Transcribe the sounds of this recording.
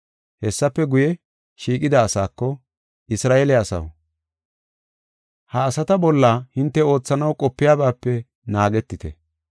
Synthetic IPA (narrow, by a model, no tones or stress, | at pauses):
hɛsːɐpːɛɡʊjɛ | ʃiːkʼɪd̪ɐːsaːkːɔ | ʔɪsɾaːelɛɐsɐ̰w | hɐːsɐt̪ɐbɔlːaːhɪnt̪ːɛo̞ːt͡sːɐnɐwkʼɔpːɪjaːbaːpːɛ | naːɡɛt̪ːɪt̪ɛ̰